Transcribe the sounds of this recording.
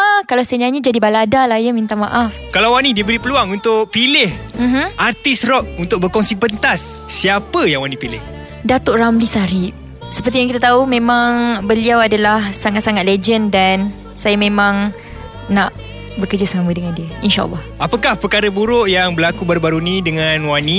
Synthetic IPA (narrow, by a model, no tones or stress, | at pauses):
akalawsaaɲaɲəd͡ʒadibaladalajəmint̪amaʔafkalawwanĩdiəbəɾipəluaŋunt̪ʊk̚pilɪhm̩ɦm̩ʔart̪isrɔk̚unt̪ʊk̚bəkɔnsipənt̪asːiapəjaŋwanĩpilɪ̰h | dat̪oʔramlisaɾip̚ | səpərt̪ijaŋkit̪at̪aumẽmãŋbəliawadalahsaŋat̪̚saŋat̪̚led͡ʒəndan | sajamẽmãŋ | naʔ | bəkərd͡ʒasamədəŋãndiəinʃa̰ʔə̰lːɔhapəkahpəkaɾəbuɾʊʔjaŋbəlakubaɾubaɾunĩdəŋanwanĩ